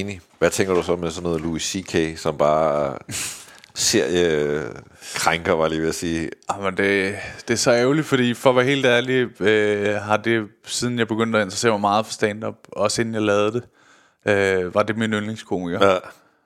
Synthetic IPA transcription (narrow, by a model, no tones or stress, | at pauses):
ni | ʋæt͡sʰeŋɡ̥ɐɾ̥usɒmesɒ̽nːɔ̽ːð̩ˠluisikʰesɒ̽mb̥ɑ̈ː | se̝ɐ̰jə | kʰʁaŋɡ̥ɐʋɑ̈liːʋeæsiːɑmənd̥e̝d̥e̝æɐsɒ̽eʊlid̥fɒ̽d̥ḭːfɒ̽ʋæɦe̝̰ːld̥æɐliøɦɑ̈d̥e̝sið̞ˠn̩jɑ̈ɪb̥e̝ɡ̥øn̰d̥ɒ̽e̝nd̥ʁɐse̝̰ɐmaɪmɑ̈ːð̞̩ˠfɒ̽sd̥ɛːnd̥ɒ̽b̥ɒ̽sedn̩jɑ̈lɛːð̞̩ˠd̥e̝ | øʋɑ̈d̥e̝minønleŋskʰo̝̰ːmiɡ̥ɐ